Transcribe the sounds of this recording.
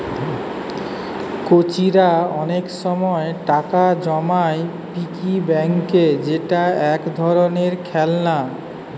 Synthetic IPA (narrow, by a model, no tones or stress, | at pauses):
kot͡ɕiɾaɔnekʃɔmɔeʈakad͡ʑɔmae | pikibɛŋked͡ʑeʈaɛkd̪ʱɔɾoneɾkʰɛlna